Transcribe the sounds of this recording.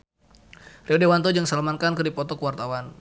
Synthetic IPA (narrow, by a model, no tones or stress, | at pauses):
riɔdewant̪̬ɔd͡ʒaŋsələmankankɨrdipɔt̪ɔkəwart̪awan